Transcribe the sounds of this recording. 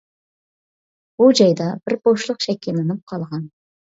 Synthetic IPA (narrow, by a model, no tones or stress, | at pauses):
bud͡ʒɑjd̪ɑbɪɾboʃlˠʊqʃɛkʲʰilɪnɪp̚qʰɑlˠʁɑn